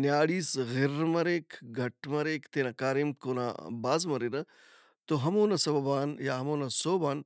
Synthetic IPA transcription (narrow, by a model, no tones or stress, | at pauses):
njaːɽiːsɣɪɾmɐɾeːkʰɡʱɐʈmɐɾeːkʰt̪eːnɐkaːɾimkoːna̰ːbaːzmɐɾeɾɐ | t̪oɦɐmoːnɐsɐbɐbaːnjaːɦɐmoːnɐsoːbaːn